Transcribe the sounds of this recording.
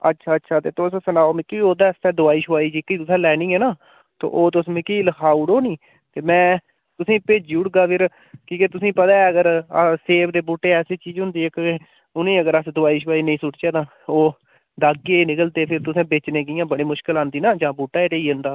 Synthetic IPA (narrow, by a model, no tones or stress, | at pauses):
ə̰tːʃʰaːtːʰaːt̪eːt̪ossənaːoːmẽːkioːd̪aːst̪ɛːd̪ʊaːiːʃʊaːiːd͡ʒikːiːt̪ʊsɛ̃ːlɛːnĩːɛːnaː | t̪o̰ːʔoːt̪̬ʊsmẽːkiːləkʰaːuːɽoːnĩː | t̪eːmɛ̃ː | t̪ʊsĩːpeːd͡ʒuɽɡaːpʰɪɾ | kiːket̪ʊsĩːpət̪aːɛːəɡəɾəseːʋd̪eːbuːʈːeːɛːseːt͡ʃiːd͡ʒɦʊ̃nd̪iːɪkːe | ʊnẽːəɡəɾəsd̪ʊaːiːʃ̬ʊʋaːiːnəĩːsʊʈt͡ʃɛːd̪ãː | oː | d̪aːɡeːnɪkəlt̪eːpʰɪɾt̪ʊsẽːbeːt͡ʃnẽːkɪːjãːbəɽeːmʊʃkɪlãːnd̪iːnãːd͡ʒãːbuːʈːaːeːʈeːiːɦə̃nd̪aː